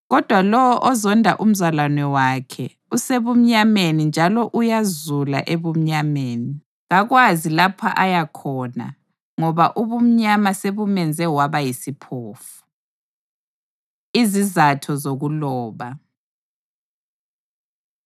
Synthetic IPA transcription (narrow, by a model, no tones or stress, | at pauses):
ɣɔd̥ʱwalɔwɔʔɔzɔndʱa̰ʔum̩zalwanɛwaːkʰɛ | useβum̩ɲamenind͡ʒʱalɔʔujazula̰ʔeβum̩ɲameːni | ɣaɣwazilapʰaʔajakʰɔna̰ | ŋɔβaʔuβum̩ɲamaseβumɛnd͡zʱɛwaβajisipʰoːfu̥ | izizatʰɔzoɣulɔːβa